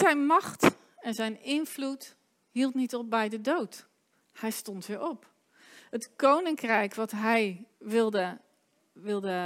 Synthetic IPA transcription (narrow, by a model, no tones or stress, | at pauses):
sɛjnmɑxt | ɛnzɛjnɪnflut | hilˠtnitɔp̚bɛjdədowt | hɛjstɔntʋɪʔɔp | ətkownɪŋkrɛjkʋɔtɦɛjʋɪlˠdə | ʋɪlˠdə